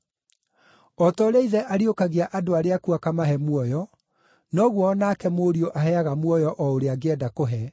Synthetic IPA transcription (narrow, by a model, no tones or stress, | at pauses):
ɔtɔɾeiðɛʔaɾiokaɣeaʔadoaɾeakuakamaɦɛmwɔjɔ | nɔɣwɔːnakɛmoːɾioʔaɦɛaɣamwɔjɔʔɔoɾeaɡeɛdakoɦɛ